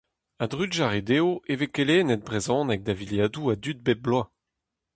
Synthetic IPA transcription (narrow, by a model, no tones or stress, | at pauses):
ad̪ʁydʒaʁed̪eːoevekeleːnɛt̪̚bʁezɔ̃ːnɛk̚d̪aviljaːd̪uad̪yt̪̚bɛt̚blwa